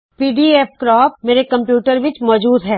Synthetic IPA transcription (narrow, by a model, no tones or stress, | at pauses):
piːɖiefkɾɔːpmeːɾekɐ̃mpjuːʈəɾʋɪt͡ʃmɔːd͡ʒuːd̪ɦɛː